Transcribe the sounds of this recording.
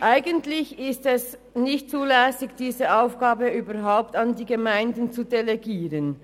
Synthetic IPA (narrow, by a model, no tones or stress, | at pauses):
ʔaɪɡəntlɪçɪstɛs | nɪçt̚t͡suːlɛːsɪɡd̥iːzəʔaʊfɡ̥aːbəyːbɐʁɦaʊptandiːɡəmaɪndən̩t͡sudeleɡiːʁən